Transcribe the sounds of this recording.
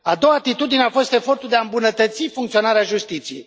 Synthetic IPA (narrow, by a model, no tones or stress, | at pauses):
ad̪o̞waːt̪it̪ud̪ineafo̞st̪e̞fo̞rt̪uld̪eaɨmbunət̪ət̪sifuŋkt̪sio̞naɾeaʒust̪it̪sije̞j̰j